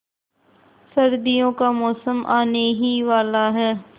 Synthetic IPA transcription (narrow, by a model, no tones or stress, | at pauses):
səɾd̪ijõːkaːmɔːsəmʔaːneːɦiːʋaːlaːɦɛː